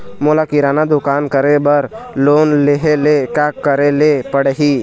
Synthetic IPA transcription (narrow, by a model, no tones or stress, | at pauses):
molakiɾaːnad̪ʊkaːnkəɾebəɾloːnleɦelekaːkːəɾelepəɽɦi